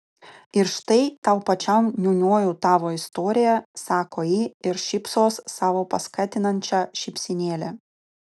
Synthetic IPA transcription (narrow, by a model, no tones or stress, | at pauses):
ɪɾʃt̪ɐɪt̪ɐʊpɐt͡ʃʲɐmnʲuːnʲoːjuːt̪ɑːʋoːɪst̪oːɾʲɪjɛsɑːkoːjiːɪɾʃʲɪpsoːsːɑːʋoːpɐskɑːt̪ʲɪnɐnʲt͡ʃʲɑːʃʲɪpʲsʲɪnʲeːlʲɛ